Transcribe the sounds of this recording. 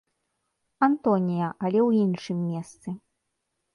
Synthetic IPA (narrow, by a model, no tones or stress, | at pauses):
ant̪ɔnʲijɐʔɐlʲɛwinʂɨmʲːɛst̪sɨ